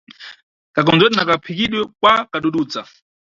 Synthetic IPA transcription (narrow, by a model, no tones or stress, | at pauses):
kakɔnd͡zwɛtɛnakapʰikiɗwɛkwakaɗuɗuːd͡za